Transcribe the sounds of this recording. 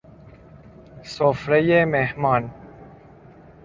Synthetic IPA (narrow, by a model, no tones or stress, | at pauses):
soːfɾɐjemeɦmaːn